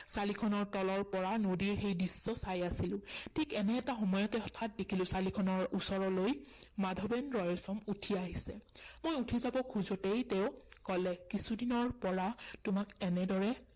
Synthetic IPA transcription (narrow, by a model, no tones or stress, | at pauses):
salikʰɔnɔɹtɔlɔɹpɔɹanodiɹxejdisːɔsajasilʊ̃tʰikɛnɛːtaxɔmɔjɔtɛɔtʰat̚dekʰilʊ̃salikʰɔnɔɹusɔɹɔlojmadʱɔbɛnɹɔjɔsɔmutʰiaɦisɛmojutʰizabɔkʰuzɔtejteʊ̃kɔlɛkisudinɔɹpɔɹatʊmakɛnɛdɔɹɛ